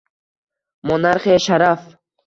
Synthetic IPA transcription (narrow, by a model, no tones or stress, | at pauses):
mɔnaɾχeʃaɾaf